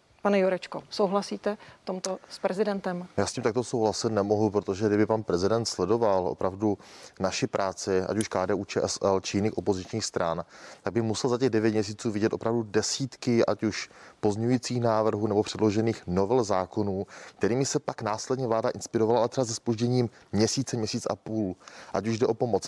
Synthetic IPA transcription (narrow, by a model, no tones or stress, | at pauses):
panɛjuɾɛt͡ʃkosowɦlasiːt̪ɛt̪omt̪ospɾɛzɪdɛnt̪ɛmjaːsciːmt̪akt̪o̞sowɦlasɪt̪nɛmo̞ɦupɾot̪oʒɛɡdɪbɪpanpɾɛzɪdɛnt̪slɛdo̞valʔo̞̰pɾavdunaʃɪpɾʔaːt͡sɪʔa̰cuʃkaːdɛːʔuːt͡ʃɛ̰ːʔɛsʔɛlt͡ʃɪjɪniːxʔo̞po̞zɪt͡ʃɲiːxst̪ɾant̪aɡ̚bɪmusɛlzacɛɣdɛvjɛt̪mɲɛs̬iːt͡suːvɪɟɛt̪ʔo̞pɾavdudɛsiːt̪kɪʔa̰cuʃpo̞zɲɛujiːt͡siːxnaːvr̩ɦuːnɛbo̞pr̝̥ɛdlo̞ʒɛniːxno̞vɛlzaːko̞nuːk̚t̪ɛɾiːmɪsɛpaknaːslɛdɲɛvlaːdaʔɪnspɪɾo̞valaʔalɛt̪ɾrɛazɛspoʒɟɛɲiːmmɲɛsiːt͡sɛmɲɛsiːt͡sʔa̰puːlʔa̰cuʒdɛʔo̞po̞mo̞t͡s